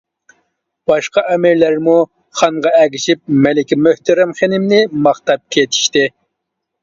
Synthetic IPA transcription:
b̥ɑʃqɑʔɛmɪɾlæɾmu | χɑŋʁɑɛɡʲiʃip̚mɛlɪkʲimøht̪ɛɾɛmχenɪmnɪmɑχt̪ɑp̚kʲʰet̪ʰi̥ʃt̪ɪ

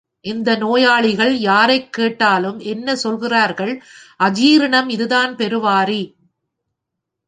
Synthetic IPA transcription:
ʔɪnd̪ɐnoːjaːɭɪɣɐɭjaːɾɐɪkːeːʈːaːlɯmɛnːɐsɔlɣɪraːɾɣɐɭʔɐd͡ʒiːɾɐɳɐmɪðɯðaːnpɛɾɯʋaːri

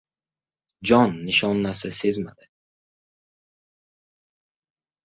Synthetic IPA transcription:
d͡ʒɒnːiʃɒnːæsɪsezma̰d̪ɪ

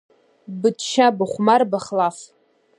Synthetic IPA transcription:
bɨdʃabaχʷmarbaχlaf

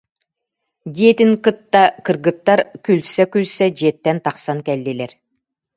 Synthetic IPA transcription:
d̪iɛt̪iŋkɯt̪ːakɯɾɡɯt̪ːaɾkylʲsɛkylsɛd͡ʑiɛt̪ːɛnt̪aqsankɛlːilɛɾ

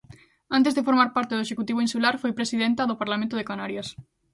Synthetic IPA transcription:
ãnt̪ezðefoɾmaɾpaɾt̪eðoeʃekut̪iβ̞oinsulaɾfojpɾesiðent̪aðʊpaɾlamẽnt̪ʊðekanaɾjas

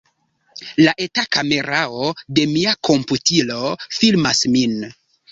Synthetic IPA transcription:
laʔetakame̞ɾaode̞miako̞mputilo̞filmasmin

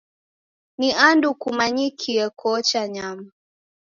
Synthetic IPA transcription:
niandukumaɲikʰiɛkʰɔt͡ʃaɲama

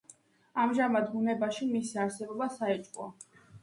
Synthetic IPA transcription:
amʒamad̪bunɛbaʃimisiaɾsɛbɔbasaɛt͡ʃʼkʼwɔ

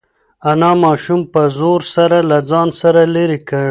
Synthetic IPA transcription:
anɑmɑʃumpəzoɾsaɾalad͡zɑnsaɾaleɾikəɳ

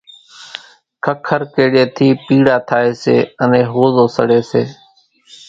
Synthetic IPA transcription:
kʰəkʰːəɾkeːɗeːt̪ʰiːpiːɽaːt̪ʰaːeːsḛːənẽːɦoːzoːsəɽeːseː

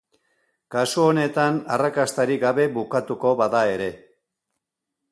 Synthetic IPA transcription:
kasuone̞t̪anarakast̪aɾiɡaβe̞βukat̪uko̞βaðae̞ɾe̞

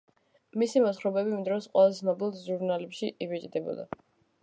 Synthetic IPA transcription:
misimɔt̪χɾɔbɛbimd̪ɾɔsqʼwɛlˠazɛsnɔbilˠʒuɾnalɛpʃiʔivɛt͡ʃʼd̪ɛbɔ̰d̪a̰

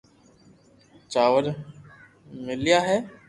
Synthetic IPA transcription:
t͡ʃaːʋəɾ | mɪlijaːɦɛː

